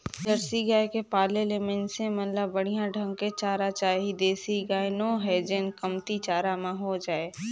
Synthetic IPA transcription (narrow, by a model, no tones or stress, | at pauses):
d͡ʒəɾsiɡaːekepaːlelemẽnsẽmɐnləbːəɽ̤ijãɖʱə̃ŋɡket͡ʃaːɾat͡ʃaːɦid̪eːsiɡaːenõːɦɛd͡ʒenkəmt̪it͡ʃaːɾamãɦod͡ʒaːeː